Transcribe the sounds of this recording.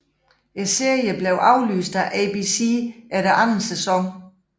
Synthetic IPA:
e̥se̝ɐ̰jəb̥leʊʔɑ̈ʊly̰ːsd̥æʔɛb̥isiæɾeʔɑnn̩sesɒ̽ŋ

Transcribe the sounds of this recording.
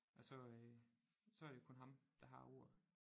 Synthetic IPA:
ʔɒsɒ̽ø | sɒ̽æɐɾ̥e̝kʰɔ̽nɦɑ̈md̥ɑ̈ɦɑ̈o̝ɐ̰ð̩ˠ

